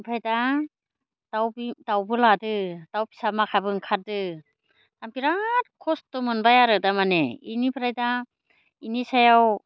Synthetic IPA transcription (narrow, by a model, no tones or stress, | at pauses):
pʰajda | dawbdawbɯladɯd̥awpʰi̥samakʰabɯŋkʰaɾ̚dɯ | tampiɾat̚kʰɔstɔmɯnbajaɾɯdamaneinipʰɾajda | inisajaw